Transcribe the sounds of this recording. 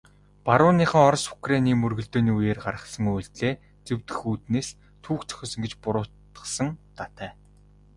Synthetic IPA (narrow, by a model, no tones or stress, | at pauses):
paɾʊːniːχə̆ːɔɾsʊ̥kraniːmɵrɣɵ̆ɮt̪oːniːujeːrɢaɾə̆χsə̆ŋujɮt̪ɮeː | t͡sewt̪ɘ̆xuːt̪neːs | t̪ʰuːkt͡sœ̥xʲɔ̆ːsə̆ŋɡet͡ɕpʊɾʊːt̪ | ə̥̆sə̆ŋt̪at̪æː